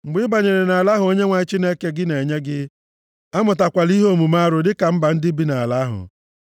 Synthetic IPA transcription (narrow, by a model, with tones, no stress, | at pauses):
ŋ͡m̩˨ɡ͡bɪ˦ba˨ɲe˨ɾe˨na˨a˨la˦ɦʊ˨o˦ɲe˦ŋʷa˨ɪ˦t͡ʃi˦ne˦ke˦ɡɪ˦ne˨ɲe˦ɡɪ˦ | a˦mʊ˨ta˨kʷa˨li˦ɦo˦˨mu˨ma˦ɾʊ˨dɪ˦ka˨m̩˦ba˨n̩˦dɪ˦bi˦na˨a˨la˦ɦʊ̰˨